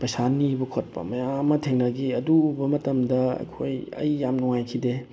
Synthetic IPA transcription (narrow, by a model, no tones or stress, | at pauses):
pɐjsanːibɐkʰot̚pɐ̰mɐjamːɐtʰeŋnɐɡiɐduːbɐmɐtɐmdɐɐ̰jkʰojɐ̰jːamnuŋajkʰide